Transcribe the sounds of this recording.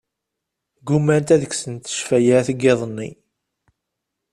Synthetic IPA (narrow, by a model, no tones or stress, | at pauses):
ɡumænt̪æðəksənt̪ə̥ʃfæjaθəɡːeðˤənːḭ